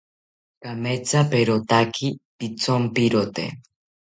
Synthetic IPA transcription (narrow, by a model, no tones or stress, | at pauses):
kamet͡sapeɾot̪akʰipit͡sompiɾot̪ḛ